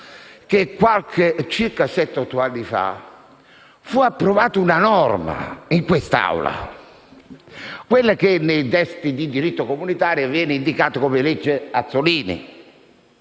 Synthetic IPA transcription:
k̟ekːwalkʰet͡ʃirkasɛt̪ːɔt̪ːoanːifa̰ | fuapːɾovaːt̪ʊunanɔrma̰iŋkwest̪a̰wla̰ | kwelːak̟enːejd̪ɛst̪id̪id̪iɾit̪ːokomunit̪aːɾjovjɛːnind̪ikaːt̪okomeled͡ʒːeat̪sːoliːnḭ

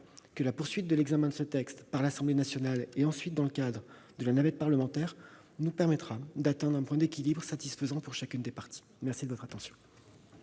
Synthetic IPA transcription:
kəlapuʁsɥit̪̚d̪əlɛɡzamɛ̃d̪əsət̪ɛkst̪paʁlasɑ̃blenasjɔnaleɑ̃sɥit̪̚d̪ɑ̃ləkad̪ʁ | d̪əlanavɛt̪̚paʁləmɑ̃t̪ɛʁ | nupɛʁmɛt̪χad̪at̪ɛ̃d̪ʁɛ̃pwɛ̃d̪ekʲilibʁsat̪isfəzɑ̃puʁʃakʲynd̪epaʁt̪i̥ | mɛʁsid̪əvɔt̪χat̪ɑ̃sjɔ̃

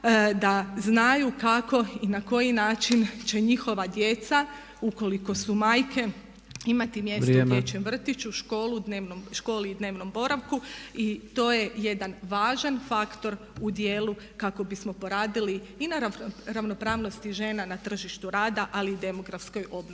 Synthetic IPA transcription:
d̪aznajukako̞inako̞jinaːt͡ʃint͡ɕe̞ɲixo̞ʋad̪je̞t̪sa | uko̞liko̞sumaːjkʰe̞ | imat̪imjesdjet͡ɕemʋr̩t̪it͡ɕuʃko̞ːlud̪neːʋnomʃko̞ːliːd̪ne̞ːʋno̞mbo̞ɾaʋkuit̪o̞ːje̞je̞d̪anʋaːʒanfakt̪o̞ɾ | ud̪jeːlu | kako̞bismo̞po̞ɾaːd̪ili | inaɾaɾaʋno̞pɾaːʋno̞st̪iʒe̞ːnanat̪r̩ʒiʃt̪uɾaːd̪aʔalid̪e̞mo̞ɡɾafsko̞jo̞bnoi

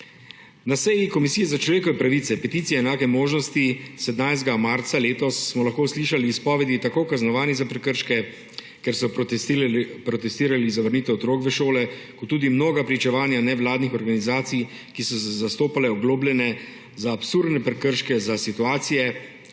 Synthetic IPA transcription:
nasɛjikɔmisiːjɛzat͡ʃlɔʋeːkɔʋɛpɾaʋiːt̪sɛpɛt̪iːt̪sijɛːnaːkɛmoːʒnɔst̪isɛd̪najst̪ɡamaɾt̪saleːt̪ɔsːmɔlaxkoːsliːʃaliːspɔʋɛd̪it̪akoːkaznɔʋaːnizapɾɛkəɾʃkɛ | kɛɾsɔ | pɾɔt̪ɛst̪iːɾalizaʋəɾniːt̪ɛɔt̪ɾoːkʋəʃoːlɛkɔt̪ːuːd̪imnoːɡapɾit͡ʃɛʋaːnjanɛʋlaːd̪nixɔɾɡanizaːt̪sij | kisɔsɛzast̪oːpalɛɔɡloːblʲɛnɛ | zaːpsuɾd̪nɛpɾɛkəɾʃkɛzasit̪uaːt̪sijɛ

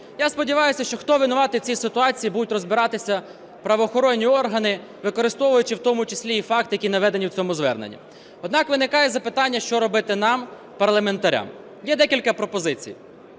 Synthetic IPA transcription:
jaspɔdʲɪʋɑjʊsʲɐʃt͡ʃɔxt̪ɔʋʲɪnʊʋɑt̪ɪt͡sʲisɪt̪ʊɑt͡sʲijibud̪ʊtʲrɔzbɪɾɑt̪ɪsʲɐ | pɾɐʋɔːxɔɾɔnʲːiɔrɦɐnɪ | ʋɪkɔɾɪst̪ɔʋʊjʊt͡ʃɪwt̪ɔmʊt͡ʃɪsʲlʲiːfɑkt̪jɐkʲinɐʋɛd̪enʲiwt͡sʲɔmʊzʋɛ̰rnḛnʲːḭ | ɔd̪nɑkʋɪnɪkɑjɛzɐpɪt̪ɑnʲːɐʃt͡ʃɔɾɔbɪt̪ɪnɑm | pɐrlˠɐme̞nt̪ɐɾʲa̰m | jɛd̪ɛkʲilʲkɐpɾɔpɔzɪt͡sʲḭj

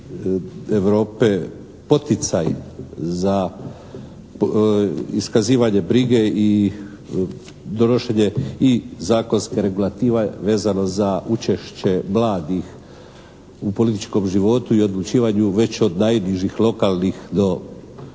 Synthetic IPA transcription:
eʋɾo̞ːpe̞ | po̞t̪it̪sajza | iskaziːʋaɲe̞bɾiɡei | d̪o̞noʃeɲeizaːko̞nskeɾe̞ɡulˠat̪iːʋaʋe̞ːzano̞zaʔut͡ʃe̞ʃt͡ɕe̞mlaːd̪ix | upo̞lit̪it͡ʃko̞mʒiʋo̞t̪uio̞d̪lut͡ʃiːʋaɲuʋe̞t͡ɕo̞d̪najniʒixlˠo̞kalˠnixd̪o̞

